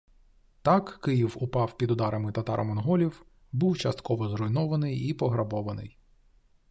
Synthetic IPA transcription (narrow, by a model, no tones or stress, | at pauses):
t̪ɑkːɪjiwʊpɑwpʲid̪ʊd̪ɑɾɐmɪt̪ɐt̪ɑ̰ɾʔɐ̰mɔnɦɔlʲiw | buwt͡ʃɐst̪kɔʋɔzrɔjnɔʋɐnɪjipɔɦɾɐbɔʋɐnɪ̰j